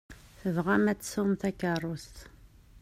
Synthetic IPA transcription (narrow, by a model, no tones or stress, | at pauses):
θəvʁæmæt͡sːsʊmθækːərˤːost̪